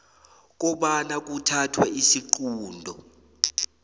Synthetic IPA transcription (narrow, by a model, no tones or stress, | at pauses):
k̬ɔɓanak̬utʰatʰwɛisiǃuːndʱɔ